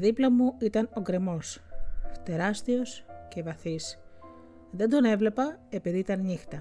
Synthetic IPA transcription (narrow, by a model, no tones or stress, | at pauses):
ðiplɐmuit̪ɐno̞ɡɾe̞mo̞st̪e̞ɾɐst̪io̞sce̞vɐθis | ðe̞nd̪o̞ne̞vle̞pɐe̞piðiit̪ɐnɲixt̪ɐ